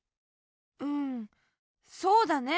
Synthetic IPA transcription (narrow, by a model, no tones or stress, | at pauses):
ɯ̟̃ɴ | so̞ːd̪ane